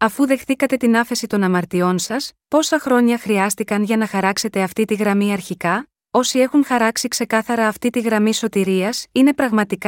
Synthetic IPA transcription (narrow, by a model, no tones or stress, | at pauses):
ɐfuðe̞xθikɐt̪e̞t̪inɐfe̞sit̪o̞nɐmɐɾt̪io̞nsɐspo̞sɐxɾo̞ɲɐxɾiɐst̪ikɐnʝɐnɐxɐɾɐkse̞t̪e̞ɐft̪it̪iɣɾɐmiɐɾçikɐ | o̞sie̞xuŋxɐɾɐksikse̞kɐθɐɾɐːft̪it̪iɣɾɐmiso̞t̪iɾiɐsine̞pɾɐɣmɐt̪ikɐ